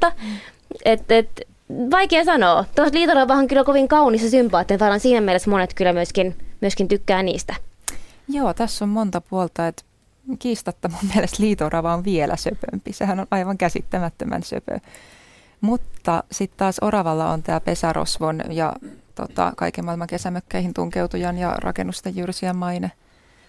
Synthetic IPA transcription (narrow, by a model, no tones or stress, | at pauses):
ɑ | et̪et̪ | ʋɑikeːsɑnoːt̪oɑsliːt̪orɑʋɑhɑŋkylːækoʋiŋkɑunisɑsympɑːt̪ːensɑːɾɑnsiːnæmielesmonet̪kylːæmyøskinmyøskint̪ykːæːnḭːst̪æ | joːt̪æsːommont̪ɑpuolt̪ɑet̪ | kiːst̪ɑt̪ːɑmummielest̪liːt̪orɑʋɑoʋʋielʔæ̰søpø̰mpisehænonʔɑiʋɑŋkæsḭt̪ːæmæt̪ːømæ̰nsø̰pø̰ | mut̪ːɑsit̪t̪ɑːsorɑʋɑlːɑo̰nt̪æːpesæro̰sʋonjɑ̰t̪o̰t̪ɑ̰kɑ̰ikemɑilmɑŋkesæmøkːæihint̪uŋkewt̪ujɑnjɑ̰rʔɑ̰kenːust̪ejjyrsiæmmːɑine